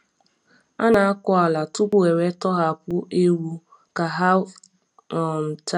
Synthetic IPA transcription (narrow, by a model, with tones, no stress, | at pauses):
a˦na˨a˦kɔ˦a˨la˨tʊ˦kʷʊ˦e˨ɾe˦tɔ˦ɦa˨kʷʊ˦e˦ɾu˦ | ka˨ɦa˦ | ɔ˨m̩˨ta˦